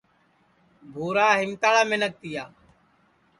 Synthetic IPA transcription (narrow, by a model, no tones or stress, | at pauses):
bʱoːɾaːɦɪmt̪aːɭaːmenək̚t̪ɪjaː